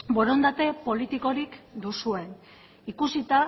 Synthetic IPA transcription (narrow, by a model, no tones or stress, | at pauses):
bo̞ɾo̞nd̪at̪e̞po̞lit̪iko̞ɾikd̪usue̞n | ikusit̪a